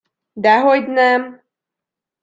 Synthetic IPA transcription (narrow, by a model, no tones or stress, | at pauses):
d̪aɦojd̪nɛm